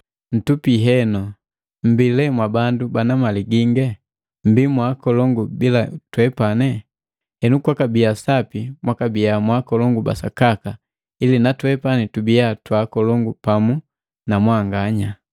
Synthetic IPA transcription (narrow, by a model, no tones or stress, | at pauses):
n̩tupiɦɛnɔ | m̩bilɛmwabandubanamaliɡiŋɡɛ | m̩bimwakɔlɔŋɡubilatwɛpanɛ | hɛnukwakabiasapimwakabijamwakɔlɔŋɡuba̰sa̰kaka | ilinatwɛpanɛtubijatwakɔlɔŋɡupamu | namwaŋɡaɲa